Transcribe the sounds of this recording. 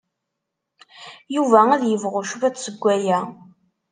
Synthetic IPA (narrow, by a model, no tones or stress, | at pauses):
juvææðjəvʁʊʃuvæt͡sːsəɡʷːæjæ